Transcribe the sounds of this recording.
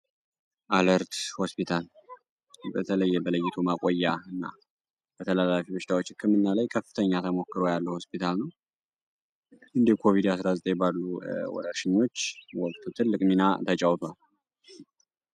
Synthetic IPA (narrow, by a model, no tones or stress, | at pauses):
ʔaləɾt̪ho̞spit̪ʰal | bət̪ʰələjːɛbələjːɪt̪ʰumakʼojːaɨnːa̰ | b̥ət̪ʰəlalafibɨʃt̪ʰawot͡ʃːɪkʰːəmɨnːalajkʰəfːɨt̪ʰəɲːat̪ʰəmo̞kːɨɾojalːəho̞spit̪ʰalnəw | ɨnd̪ikʰo̞vid̪asɾazət̪ʼejbalːuwɔ̰ɾəɾʃɪɲːo̞t͡ʃːwɔkʼt̪ʰut̪ʰɨlːɨkʼminat̪ʰət͡ʃʼawt̪ʰwal